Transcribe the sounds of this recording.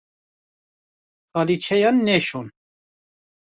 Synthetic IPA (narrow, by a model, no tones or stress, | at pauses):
xɑlit͡ʃʰɛjɑnːɛʃon